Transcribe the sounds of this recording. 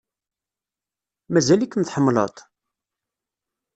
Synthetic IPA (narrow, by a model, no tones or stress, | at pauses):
mæzælikːənθħəmːlə̰t̪ˤ